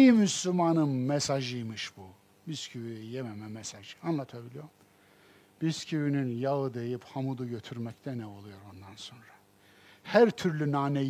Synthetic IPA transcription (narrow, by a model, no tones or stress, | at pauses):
imyslʲymanɯnmɛsaʒɯjmɯʃb̥u | biscʰywyjɛjɛmɛmɛmɛsaʒɯanlˠat̪ʰabilʲijo̞ɾm | b̥iscʰiwyninjaɯd̪e̞jiphamud̪uɟø̞t̪ʰyɾmɛct̪ʰɛnɛo̞lˠujo̞ɾond̪anso̞nɾa | hæɾt̪ʰyɾlʲynaːnɛ